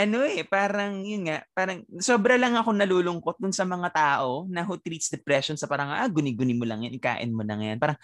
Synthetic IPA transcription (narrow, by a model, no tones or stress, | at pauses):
ʔɐno̞ʔɛpaːɾɐŋjʊnŋaʔpaːɾɐŋsoːbɾɐlɐŋɐkoŋnɐluːlʊŋko̞t̪̚d̪ʊnsɐmɐŋat̪aːʔo̞nɐɦot̪ɾiːt̪sd̪ɛpɾɛʃonsɐpɐɾɐŋajʔaɡʊnɪɡʊnɪmolɐŋjanɪka̰ːʔɪ̰nmolɐ̰ŋɐja̰npaːɾɐŋ